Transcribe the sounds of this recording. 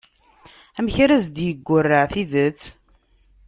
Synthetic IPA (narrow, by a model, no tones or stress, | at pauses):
æmçɾæzd̪jəɡʷːʊrːəʕθiðət͡sː